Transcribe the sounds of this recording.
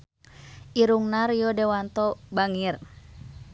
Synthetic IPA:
ʔiɾuŋnarjɔdewant̪ɔbaŋir

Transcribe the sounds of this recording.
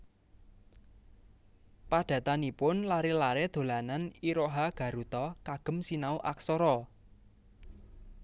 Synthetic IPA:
paɖ̥ä̤t̪anipʊnlaɾilaɾed̪̥o̤lananiɾoɦaɡ̥a̤ɾut̪ɔkaɡ̥ə̤msinauʔa̰ksoɾɔ

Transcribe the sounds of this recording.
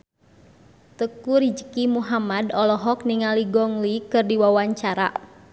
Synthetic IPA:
t̪əkuɾid͡ʒəkimuɦamadɔlɔɦɔkniŋaliɡɔŋlikɨrdiwawaɲt͡ʃaɾa̰

